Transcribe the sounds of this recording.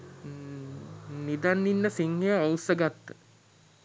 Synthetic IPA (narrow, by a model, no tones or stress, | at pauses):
nid̪anːinːəsiŋːeəowsəɡat̪ːə̥